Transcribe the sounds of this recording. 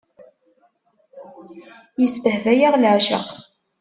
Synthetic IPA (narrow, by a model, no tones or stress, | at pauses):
jəsbəhðæjaʁlʕʃə̰q